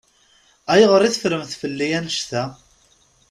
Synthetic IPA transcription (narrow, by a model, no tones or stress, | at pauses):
æjəʁəɾˤiθəfɾəmθfəlːijænʃθæ